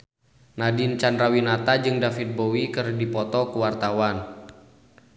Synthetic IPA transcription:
nadint͡ʃanɾawinat̪ad͡ʒɨŋdafit̪̚bowikɨrdipɔt̪ɔkuwart̪awan

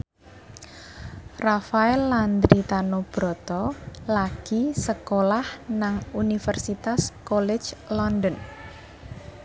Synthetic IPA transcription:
rafaɛlːand̪ɾit̪anob̥ɾɔ̤t̪ɔlaɡ̥isəkolahnaŋunifɛrsit̪askɔlɛ̥d͡ʒlɔndən

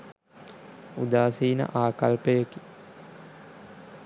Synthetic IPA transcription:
ud̪aːsiːnə̰ʔaːkalpəjəki̥

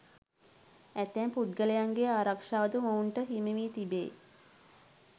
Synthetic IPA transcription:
æt̪ɛmpud̪ɡələjaŋɡeaːɾakʂaːʋəd̪uməuɳʈəɦimeʋiːt̪ibḛː

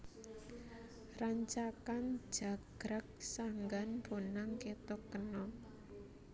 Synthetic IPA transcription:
raɲt͡ʃakan̥d͡ʒ̥a̤ɡ̥ɾak̚saŋɡanb̥onaŋket̪ɔkənɔ

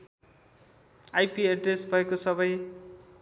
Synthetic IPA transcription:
ajpieɖresbʱʌekosʌbʌj

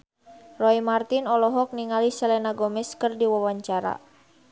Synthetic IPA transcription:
rɔimart̪inɔlɔɦɔk̚niŋalisɛlɛnaɡɔmɛskɨrdiwawaɲt͡ʃaɾa̰

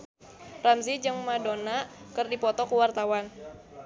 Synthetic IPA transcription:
ramzid͡ʒɨŋmadonakərdipɔt̪ɔkuwart̪awan

